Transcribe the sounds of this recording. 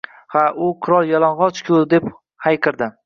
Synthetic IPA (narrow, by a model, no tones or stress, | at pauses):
haʔʊqʰɨɾɒlˠjɒlˠanʁɒt͡ʃkʲʰʊd̪e̞p | hajqʰɨɾd̪ɪ